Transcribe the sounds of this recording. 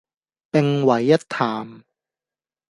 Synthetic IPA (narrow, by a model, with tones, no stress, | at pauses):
pɪ˧ŋwɐ˨˩jːɐ˥t̚t̪ʰaː˨˩m